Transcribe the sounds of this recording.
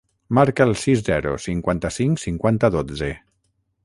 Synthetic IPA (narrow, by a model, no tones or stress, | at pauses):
maɾkəːlˠsizzɛɾṵsiŋkwant̪əsiŋsiŋkwant̪əðod͡ze